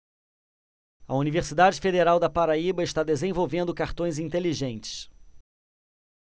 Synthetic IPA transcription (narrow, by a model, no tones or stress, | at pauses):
ɐuniveɾsid̪ad͡ʒɪfed̪eɾawd̪ɐpaɾaibɐɪʃt̪ad̪ezẽvowvẽnd̪ʊkaɾt̪õj̃zĩnt̪eliʒẽnt͡ʃɪ̥s